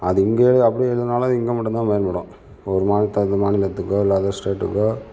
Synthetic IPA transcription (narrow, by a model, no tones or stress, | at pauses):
ɐðɯɪŋɡeːɽɯɐpːɐɽiɛɻɯðɯnaːlɐðɪŋɡeːmɐʈːnd̪ãːmeːɾmɐɽõ | ɔɾɯmaːnɪt̪ːɐðɯmaːnɪlɐt̪ːɯkːoːɪlːaːðaːsʈeːʈːɯkːoː